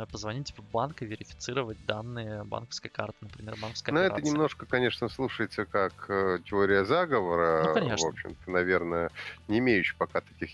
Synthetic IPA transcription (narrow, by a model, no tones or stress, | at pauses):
pəzvɐnʲitʲpvbankɨvʲɪɾʲɪfʲɪ̥sɨɾəvət̚ʲd̪anːɨjəba̰nkə̥fskəjka̰rt̪ɨnəpɾʲɪmʲe̞rbankəskəjnoɛənʲɪmno̞ʂkəkɐnʲe̞ʂnəslˠuʂəjɪt̪səkaktʲɪo̞ɾʲɪjəzaɡəvəɾəkɐnʲevo̞pɕːɪ̰mt̪ənɐvʲe̞rnəənʲɪɪmʲejʉɕːɪ̥pɐkat̪ɐ̥kʲix